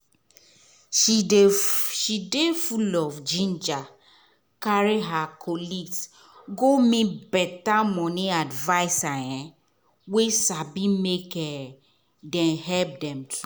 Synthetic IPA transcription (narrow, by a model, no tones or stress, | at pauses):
ʃidefulɔfd͡ʒĩnd͡ʒa | kaɹiɦakʰɔliɡs | ɡomĩbɛtamɔ̃nĩadvaɪsajɛ̃ | wesabimekɛ | dɛ̃nɦɛlp̚dɛ̃mtu